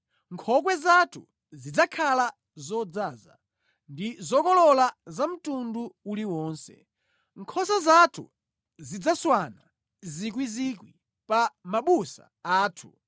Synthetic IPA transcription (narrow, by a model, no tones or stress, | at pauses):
ŋkʰɔk̬wɛzatʰu | zid͡zakʰala | zɔd͡zaːza̰ | ndizɔkɔlɔlazam̩tunduuliwɔːnsɛ̰ | ŋkʰɔsazatʰṵ | zid͡zaswana | zik̬wizikwi | pamaɓusa̰ | aːtʰu̥